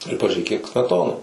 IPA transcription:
ɪr pɐʒʲuːˈrʲeːk kʲiɛk sʲmʲɛˈtoːnɐ

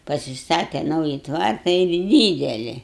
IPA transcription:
pɐsʲɪˈstɑːtʲɛ ˈnɐʊjɪ ˈtʋɐrtɐ ɪr ˈdʲiːdʲɛlʲɪ

